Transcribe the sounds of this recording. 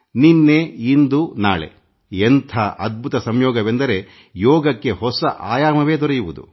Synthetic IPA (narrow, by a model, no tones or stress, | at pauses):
ninːeind̪una̰ːɭḛ | ent̪ʰɐʔɐd̪̚bʱut̪ɐsɐmjɔːɡɐʋe̞nd̪ɐɾe̞ | jɔːɡɐkːe̞hɔsɐʔaːjaːmɐʋe̞ːd̪ɔɾɐjuʋud̪ṵ